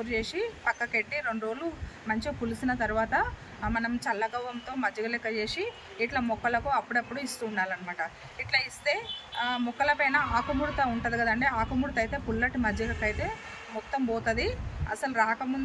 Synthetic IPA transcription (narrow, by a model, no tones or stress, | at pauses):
uɾt͡ʃe̞ːʂipɐkːɐkeʈːiɾeɳɖɾoːlumɐɲt͡ʃipulusinɐt̪ɐɾuʋaːt̪ɐ | mɐnɐmt͡ʃɐlːɐɡɐwʋɐmt̪o̞ːmɐd͡ʒɐɡɐlekɐt͡ʃe̞ːsiː | ʈlɐmɔkːɐlɐkuɐpːuɽɐpːuɽuist̪uːɳɖaːlɐnimaːʈɐ | iʈlɐːist̪e̞ːmɔkːɐlɐpɐjnɐaːkɐmuɽut̪ɐuɳʈɐd̪iɡɐd̪ɐɳʈeːaːkɐmuːɽut̪ɐjt̪e̞ːpulːɐʈimɐd͡ʒɐɡɐkːɐjt̪e̞ː | mɔt̪ːɐmboːt̪ɐd̪iɐ̰sɐlɾaːkɐmund̪